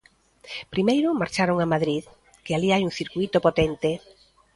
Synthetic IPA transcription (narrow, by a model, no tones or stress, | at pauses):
pɾimejɾʊmaɾt͡ʃaɾoŋamaðɾið | kɪaliajuŋθiɾkwit̪opot̪ent̪e